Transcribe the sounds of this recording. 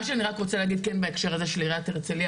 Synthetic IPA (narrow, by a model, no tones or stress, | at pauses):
ʃeaniʁakʁo̞t͡seleːɡid̪̚kenbaekʃeʁazeʃliʁat̪eʁt͡seli